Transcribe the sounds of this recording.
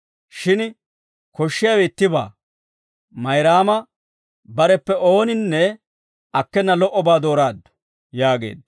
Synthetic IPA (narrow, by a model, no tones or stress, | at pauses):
ʃɪn | kɔʃːɪjɐwɛɪt̪ːɪba̰ː | mɐjɾaːmɐ | bɐɾɛpːɛo̞ːnɪnːɛ | ɐkːɛnːɐlɔʔːɔbaːd̪o̞ːɾaːd̪ːɔ̥ | jaːɡe̞̰ːd̪